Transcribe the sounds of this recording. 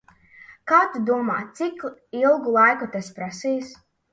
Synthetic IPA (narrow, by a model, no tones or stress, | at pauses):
kaːt̪ud̪uɔma̰ːt̪sikilˠɡulˠajkut̪aspɾasiːs